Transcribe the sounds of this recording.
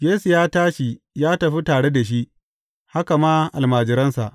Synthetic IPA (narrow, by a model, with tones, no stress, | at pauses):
jeː˦su˨jaː˦taː˦ʃi˨ | jaː˦tɐ˨ɸi˦taː˨ɽe˦da˨ʃ̬i˦ʔ | ha˦ka˨maː˦ʔa˨lmaː˨d͡ʒɪ˨˦ɾɐ˦nsa˨ʔ